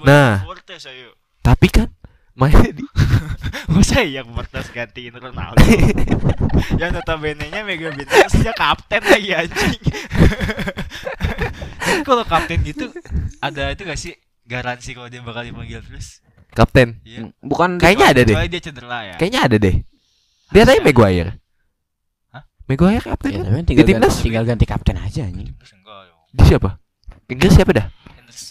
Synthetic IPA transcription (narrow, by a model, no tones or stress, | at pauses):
nart̪ɛsaju | t̪apikan | maadi | masaijak̚pərt̪ɛsɡant̪iɪnɾona̰l | jaŋdot̪abenɛɲameɡabinsd͡ʒakap̚t̪ɛnlaɡiaɲt͡ʃɪŋ | akalokap̚t̪ɛnɡit̪uadait̪uɡasi | ɡaɾansikalodianbakaldiapaŋɡilt̪ɾʊs | kap̚t̪ɛnbukandkajaɲaːdadɛdiat͡ʃənd̪ərajakajaʔɲaːdadɛh | diadaɲameɡoajɪ̰r | meɡoajɪrkap̚t̪ɛnt̪apikant̪iŋdilinəst̪iŋɡalɡant̪ika̰p̚t̪ɛna̰d͡ʒaɲ | ŋ | disiapa | iŋɡɾesapadahŋs